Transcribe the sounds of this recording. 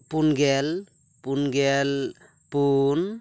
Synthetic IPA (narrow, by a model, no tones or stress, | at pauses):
punɡel | punɡel | pun